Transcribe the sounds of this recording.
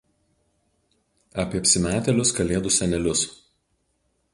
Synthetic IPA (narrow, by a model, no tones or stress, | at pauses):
ɐpʲiɛɐpʲsʲɪmʲæːt̪ʲɛlʲʊskɐlʲeːd̪ʊsʲɛnʲɛlʲʊs